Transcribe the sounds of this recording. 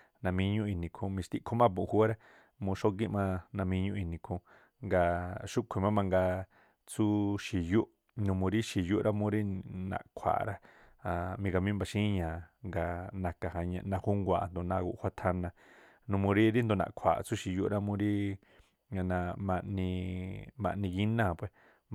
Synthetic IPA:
nã˧mĩ˧ɲũ˦ʔi˧˨nĩ˨kʰũ˧mĩ˧st̪i˧kʰo˦mã˦p̬ũ˨˧hu˦a˦ɾa˦ | mũ˧ʃo˦k̬i˦mã˦˧nã˧mĩ˧ɲũ˦ʔi˧˨nĩ˨kʰũ˧ | ŋɡa˧ʃu˦kʷʰe˨mã˦mã˧ŋɡa˧ | t͡su˦ʃi˨ju˦ʔ | nũ˧mũ˧ɾi˦ʃi˧˨ju˦ɾʔa˦mũ˦ɾi˦nã̰˨ʔkʷʰa̰˨ɾa˦ | a˨mĩ˧ɡa˧mĩ˦mba˧ʃĩ˦ɲãː˨ŋɡa˧nã˧ka˨ha˧ɲã̰˧nã˧hu˦ŋɡʷa˧˨˧nd̪o˨nã˧ɡṵ˧ʔhʷa˧t̪ʰa˧nã˧ | nũ˧mũ˧ɾi˦ɾi˦nd̪o˧nã̰˨ʔkʷʰa̰˨t͡su˦ʃi˨ju˦ʔɾa˦mũ˧ɾi˦ | ŋa˧nã˧mã˧ʔnĩ˧mã̰˧ʔnĩ˧ɣi˦nã˦˨pwe˧˨

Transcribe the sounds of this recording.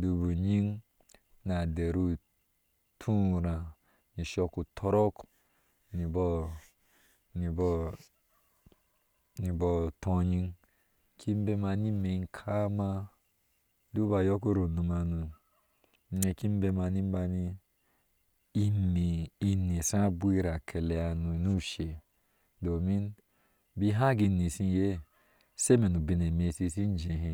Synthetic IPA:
du˨bu˨ɲi˦ŋ | na˨de˨ɾu˦ | tʰũ˦ɾã˨ | ni˨ʃɔ˦ku˨tʰɔ˦ɾɔ˦k | ni˨bɔ˦ | i˨bɔ˦ | ni˨bɔ˦˨tʰɔ̃˧ɲi˦ŋ | kʰi˦m˦be˧ma˧ni˦me˨˦ŋ˨kʰa˦ma˧ | du˦ba˨jo˦ko˦ɾo˨nu˧ma˨nu˨˦ | e˧ki˦m˦be˧ma˨ni˦ba˧ni˦ | mi˨i˦ni˨sa˦bu˦i˦ɾa˨kʰe˨le˨a˨nu˨nu˦ʃe˨ | do˨mi˦n | bi˦ɦa˦ɡi˧˨ni˨si˦je˦ | se˦me˨nu˨bi˨ne˨me˨si˧si˦n˦d͡ʒe˨ɦi˨

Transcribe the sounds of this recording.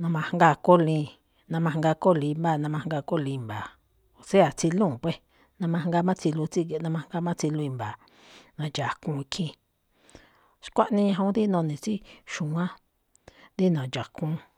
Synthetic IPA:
nã˧mã˧˨ŋ˦ɡa˧ko˦lĩ˧ | nã˧mã˧ŋɡa˧ko˦lĩ˧mba˦˨nã˧mã˧ŋ˦ɡa˧ko˦lĩ˧mba˨ | o˨se˦a˨t͡si˧lũː˦˨pwe˧ | nã˧mã˧˨ŋ˦ɡa˧˦mã˦t͡si˧lu˧t͡si˦˧nã˧mã˧ŋ˦ɡa˦mã˦t͡si˧lu˧i˧mba˨ | nã˨d͡ʒa˨kũː˧kʰĩ˧ | ʃkʷa˦ʔnĩ˦˧ɲã˧ɦo˦d̪i˦nõ˧nĩ˨t͡si˦ʃũ˨ã˦ | d̪i˦nã˨d͡ʒa˨kũ˧˦

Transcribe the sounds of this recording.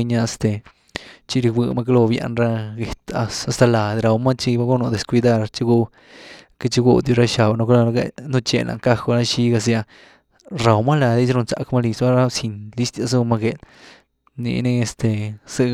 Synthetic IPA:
ɲa˦a˧st̪e˨ | t͡ʃi˦ɾi˧wʷɨ˧ma˦k̬a˦lo˧bja̰˧nɾa˦ɡe˨t̪a˧a˧˨st̪a˧la˨d̪ɾa˨wma˦t͡ʃi˦ba˦ɡu˦no˧d̪e˨skʷi˧d̪a˦˧ɾt͡ʃi˦ɡu˦˧ | ke˦t͡ʃi˦ɡu˧d̪ju˧ɾa˦ʃa˨bno˧klnu˦t͡ʃḛ˧lʔa̰˨ŋka˦xo˧ɾa˦ʃi˦ɡa˧s̬ja˧ | ɾa˨wma˦la˨d̪i˦t͡ʃɾo˧nt͡sa̰˧kma˦li˧sba˦ɾa˦si˧nli˦st̪ja˧s̬u˧ma˧ɡe˨l | nḭ˧˨ni˦e˧st̪e˨sɨ˦˧

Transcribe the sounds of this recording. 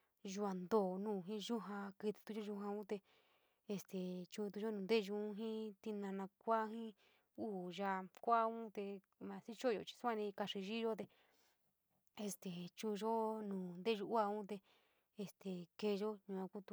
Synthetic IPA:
ʒu˧a˨nd̪oː˨nũː˦˨ɦĩ˦ʒu˦ɦã˧ki˧t̪i̥˧t̪u˧˦o˦ʒu˧ɦã˧ũ˦t̪e˧ | e˧st̪e˨t͡ʃu˧t̪̬u˧ʒo˦nũː˨nd̪e˦˨ʒu˧˦ɦĩ˦t̪i˧nã˧nã˧kʷa˦ɦĩ˦ | uː˦˨ʒa˧kʷa˦ũ˦t̪e˧ | mã˧˨si˦t͡ʃo˦˨jo̰˨t͡ʃi̥˧sã˦˧nĩ˧ka˧ʂi˧ʒi˦ʒo˦t̪e˧ | e˧st̪e˨t͡ʃu˧ʒo˦nũː˨nd̪e˦˧ʒu˧ʔu˦a˧ũ˦t̪e˧ | e˧st̪e˨ke˧ʒo˦ɲũ˧˨ã˧ku˦t̪u˧

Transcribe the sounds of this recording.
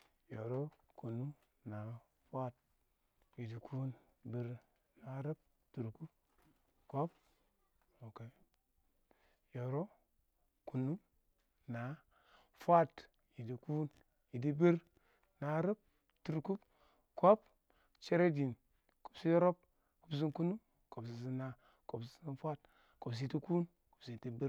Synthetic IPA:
jo˨ɾo˦ku˨nu˦ | na˨ | fa˦˨t̚ | ji˨di˨kʰu˦n | bi˨ɾ | na˨ɾe˦p̚ | tu˨ɾku˦p̚ | ko˦p̚ | o˨ke˨ | jo˨ɾo˦ | ku˨nu˦ | na˨ | fʷa˦t | ji˨di˨ku˦n | ji˨di˦bi˦ɾ | na˨˦ɾa˦p̚ | tu˨ɾku˦p | ko˦p | t͡ʃe˦ɾe˦di˨n | ko̥˨psi˦jo˦ɾo˦p̚ | ku˨bs̬i˦nku˦nu˦m | ko˨ps̬i˨s̬i˦na˨ | ko˨ps̬i˨˦i˦nfʷa˦t | ko˨ps̬i˨i˨ti˦ku˦n | ko̥˨psi˨ti˦bi˦ɾ

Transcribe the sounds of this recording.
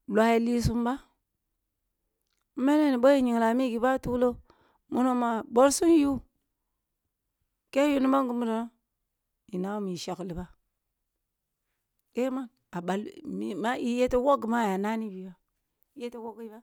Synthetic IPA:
lʷa˦ji˨li˦su˦mba˦ | me˦ne˦ni˨bo˦ji˦ɲi˨ŋ˨la˨mi˦ɡi˨ba˦tu˦lo˦ | mu˦no˦ma˨bo˦ɾsu˦n˦ju˦ | ke˦ju˦ni˦ma˦ŋɡu˨mu˦do˨no˦ | i˨na˦u˦mi˨ʃa˨kli˨ba˦ | ke˦ma˦n | a˨ba˨lmi˦ma˦i˦je˦te˦wo˦ɡma˦˨ja˨na˦ni˦bi˨ba˦ | i˨˦je˦te˦wo˦ɡi˦ba˦

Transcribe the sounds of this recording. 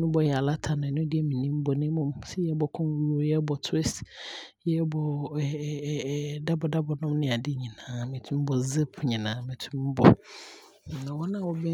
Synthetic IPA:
nʊ̃˦bɔ˨jɛ˨a˨la˦tʰa˨nʊ̃˨nʊ̃˦dɪ˦ɛ˦mĩ˨nĩ˦m̩˦bɔ˨nɪ̃˦mʊ̃˦msɛ˦jɛ˦bɔ˨kʰɔ̃˦n˦wu˦ɾo˦jɛ˦bɔ˨tʰʊ˦e˦sjɛ˦bɔ˨ | da˦bɔ˨da˦bɔ˨nɔ̃˦mnɪ̃˦˨a˨dɪ˦ɲĩ˨nãː˨˦mɪ̃˨tʰũ˦m˦bɔ˨zɛ˦pʰɲĩ˨nãː˨˦mɪ̃˨tʰũ˦m˦bɔ̰˨ | nã˨wɔ˦nã˨wɔ˦bɛ˦

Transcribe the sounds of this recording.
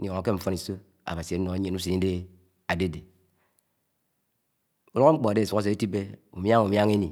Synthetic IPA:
n̩˦jɔ˨ŋa˨ke˦ɱ̩˨fo˦ni˨so˦ | a̰˨ba˨si˨e˨˦no˨a˨˦e˨nu˦s̬i˨ni˦de˦ | a˨de˦˨de˨ | u˦lo˦o˦ŋ͡m̩˦k͡po˨a˨de˦˨su˨ɣa˦s̬e˨˦e˦ti˦be˦u˨m˦a˦ŋu˨mja˦ŋe˦ni˨

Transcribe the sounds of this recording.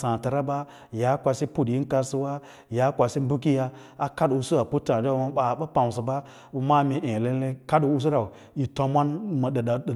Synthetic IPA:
sã˨ta˨ɾa˦ba˦ | ja˨˦kʷa˧si˦pu˦˨dji˦n˦ka˧si˦wa˦ | ja˨˦kʷa˨si˦m̩˦bu˦ki˦ja˦ | a˨ka˦du˨su˦a˨pu˦tã˨d͡ʒa˦˨˦ma˨ba˨ɓa˦pa˨m˨si˨ba˦ | bu˨ma˦˨mi˨ʔẽ˨le˦le˦ka˦du˨s̬u˦ɾa˨u˨ | i˨to˨˦mʷa˦nma˨ɗɗa˨

